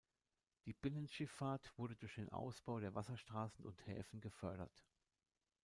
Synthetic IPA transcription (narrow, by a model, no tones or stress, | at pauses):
d̥iːb̥ɪnənʃɪfaːɐtv̥ʊɐdədʊɐçd̥eːnʔa̰ʊsb̥aʊɾeːɐvasɐʃtʁ̥aːsn̩ʔʊnthɛ̰ːfn̩ɡəfœɐɾɐ̰t